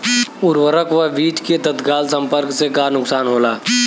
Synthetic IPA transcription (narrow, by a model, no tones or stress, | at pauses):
ʊɾwəɾəkʋaʋiːʈked̪ət̪ɡaːlsə̃mpəɾksekaːnʊksaːnɦoːlaː